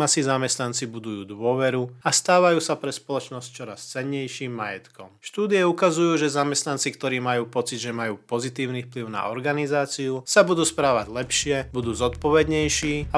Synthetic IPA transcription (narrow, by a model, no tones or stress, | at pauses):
asizamɛst̪nant͡sibud̪ujuːd̪ʋʊɔʋɛɾuast̪aːʋajuːsapɾɛspɔlɔt͡ʃnɔsc̚t͡ʃɔɾa̰st͡sɛɲːɛjʃiːmːajɛt̪kɔmʃt̪uːd̪iɛukazujuːʒɛzamɛst̪nant͡sikt̪ɔɾiːmajuːpɔt͡sid̪ʒɛmajuːpɔzit̪iːʊnifpliʊna̰ɔɾɡanizaːt͡siusabud̪uːspɾaːʋaɟlɛpʃɪɛbud̪uːzɔt̪pɔʋɛd̪ɲɛjʃiːa